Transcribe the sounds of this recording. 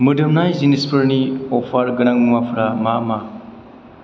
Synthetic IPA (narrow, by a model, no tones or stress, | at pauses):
mɯdɯmnajzinispʰɯɾniɔpʰaɾɡɯnaŋmɯmapʰɯɾamama